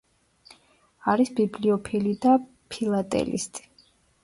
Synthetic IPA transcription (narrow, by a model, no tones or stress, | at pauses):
aɾisbibliɔpʰilid̪a | pʰilˠat̪ʼɛ̰lḭst̪ʼi̥